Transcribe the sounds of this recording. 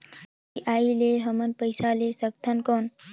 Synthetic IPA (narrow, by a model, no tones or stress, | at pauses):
iʔaːileɦəmənpəjsalesək̚t̪ʰənkoːn